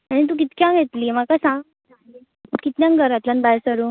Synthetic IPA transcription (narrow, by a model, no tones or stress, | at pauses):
aɽ̃it̪̬ũːk̬it̪kjãɡʱet̪liːmakasã | kit̪njãŋɡəɾat̪lanbajsəɾu